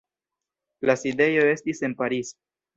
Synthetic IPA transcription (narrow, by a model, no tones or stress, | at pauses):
laside̞jo̞e̞stise̞npaɾis